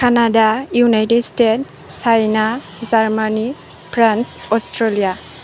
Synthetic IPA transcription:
kʰanadajunajtedstet̚ | sajna | zaɾmani | pʰɾansɔstɾelija

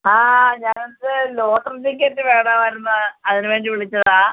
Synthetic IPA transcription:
aːɲaːnnot̪ɨloːtrɨd͡ʑikːeːtːɨʋeːɳaːmʋɐɾunːɐɐðinɨʋeːɳɖiʋiɭit͡ɕːɐðaː

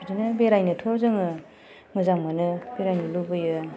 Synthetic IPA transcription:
bidinɯbeɾajnɯtʰɔzɯŋɯ | mɯzaŋmanɯb̥eɾajnɯlubɯjɯ

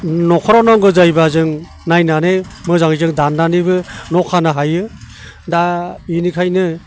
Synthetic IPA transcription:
nɔkʰɔɾɔnɔŋɡɯzajbazɯŋ | najnanemɯzaŋizɯŋdanːanibɯnɔkʰanɯɦajɯ | dainikʰajnɯ

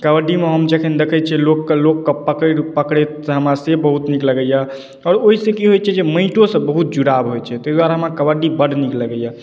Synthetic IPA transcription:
kəbəɖimeɦəmd͡ʒekʰənd̪ekʰət͡ʃʰɛlokːəlokːəpːəkəɾupəkɽesɦəmasebəɦut̪nikləɡəja | ɔːɾoɦisẽkiɦojt͡ʃʰɛd͡ʒemə̃ɪʈosə̃bəɦut̪̚d͡ʒuɽabɦojt͡ʃʰɛt̪əjd̪waɾaɦəmakəbəɖibəɽnikləɡəja

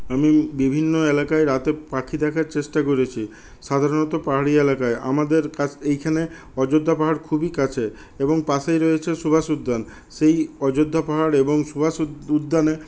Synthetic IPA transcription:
amibibʱinːoelakaeɾat̪epakʰid̪ɛkʰaɾt͡ɕeʃʈakoɾet͡ɕʰi | ʃad̪ʱaɾonɔt̪opaɦaɽielakaeʔa̰mad̪eɾkaejkʰane | ɔd͡ʑod̪ʱːapaɦaɽkʰubikat͡ɕʰe | eboŋpaʃejɾɔet͡ɕʰesubʱasud̪ʱːan | ʃejɔd͡ʑod̪ʱːapaɦaɽeboŋsubʱasud̪ʱːane

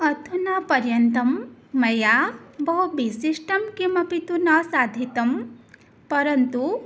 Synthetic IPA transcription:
ɐt̪ʰunapɐɾjɐnt̪ɐmːɐjabɐɦubisiʂʈɐmkimɐpit̪unɐsad̪ʱit̪ɐm | pɐɾɐnt̪u

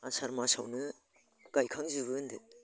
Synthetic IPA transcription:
asaɾmasa̰wnɯ | ɡ̥ajkʰaŋzɯbɯndet

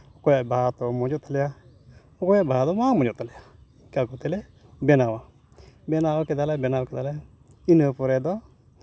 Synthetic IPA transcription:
ʊkɔjɛbaat̪ɔmʊd͡ʒut̪alɪja | ʊkɔjɛbaat̪ɔmamʊd͡ʒut̪alɪa | kaɡut̪ɛlɛ | bɛnawa | bɛnawakɛd̪alɛbɛnawakɛd̪alɛ | inəpʊɾɛd̪ɔ

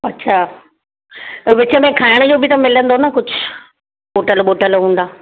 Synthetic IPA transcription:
ɐtːɕʰaː | ʋɪt͡ɕə̆mẽkʰaːɪɽ̃d͡ʑoːbʱit̪ɐmɪlə̃nd̪onɐkʊd͡ʑʱʊ | ɓoːʈəlɓoːʈəlɦũːn̆d̪aː

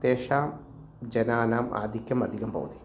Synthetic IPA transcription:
t̪eːʃaːm | d͡ʒɐnaːnaːmʔa̰ːd̪ʱikjɐmɐd̪ʱikɐmpɐ̰wt̪i̥

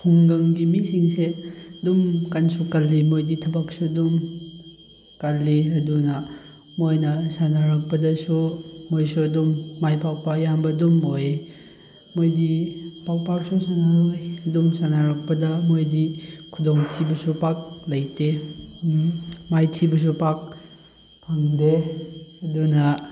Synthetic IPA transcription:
kʰuŋɡɐŋɡimisiŋsedumkansukalːimojditʰɐbak̚sudum | kalːiɐdunɐ | mojnɐsanaɾɐk̚pɐdɐsumojsuɐdumːajpawpajambɐdumoj | mojdipawpak̚susanaɾojɐdumsanaɾɐk̚pɐdɐmojdikʰudoŋtʰibɐsupak̚lɐjte | majtʰibɐs̬upak̚ | pʰaŋdeɐdunɐ

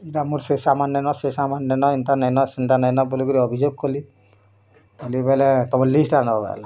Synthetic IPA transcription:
iʈamuɾsesamanjɔnɔsesamanjɔnɔint̪anəjnɔsint̪ʰanəjnɔbulikɔɾiɔbʱid͡ʒoɡ̚kɔli | olipaɦilɛt̪ɔmɔɾlisʈanɔɔba̰la

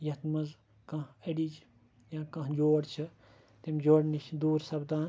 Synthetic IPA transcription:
jɐt̪mɐz | kɐ̃ɦɐɽid͡ʒ | jãːkɐ̃ɦd͡ʒoːɽt͡ʃʰɐ | t̪imʲd͡ʒoːɽnit͡ʃʰd̪uːɾsɐbd̪aːn

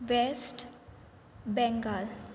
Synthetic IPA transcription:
ʋesʈ | bɛ̃ŋɡəl

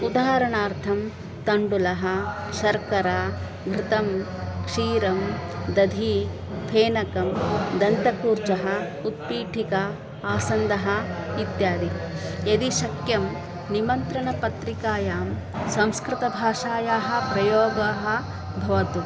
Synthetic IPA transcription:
ud̪aɦɐɾɐɳaːɾt̪ʰɐm | t̪ɐɳɖulɐɦɐ̆ | ʃɐɾkɐɾaː | ɡʱɾɪt̪ɐm | kʂiːɾɐmd̪ɐd̪ʱi | pʰeːnɐkɐmd̪ɐnt̪ɐkuːɾt͡ʃɐɦɐ | ut̪̚piːʈʰikɐ | aːsɐnd̪ɐɦɐit̪jaːd̪ijɐd̪iʃɐkjɐm | nimɐnt̪ɾɐɳɐpɐt̪ɾikaːjaːm | sɐ̃mskɾɪt̪ɐbʱaːʃaːjaːɦɐ̆pɾɐjoːɡaːɦɐ | bʱɐʋɐt̪u

